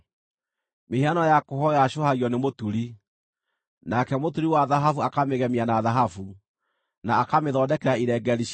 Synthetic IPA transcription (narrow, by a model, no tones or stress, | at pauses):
meheanɔjakoɦɔaʃohaɣiɔnemotuɾi | nakɛmotuɾiwaðaɦafuakameɣɛmianaðaɦafu | naːkameðɔːdɛkɛɾaiɾɛɡɛɾi